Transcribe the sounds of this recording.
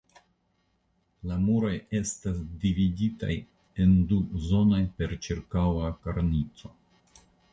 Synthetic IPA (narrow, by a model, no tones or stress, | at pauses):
lamuɾoje̞stasdividita̰j | e̞nduzo̞no̞jpe̞ɾt͡ʃiɾkawakaɾnit͡so̞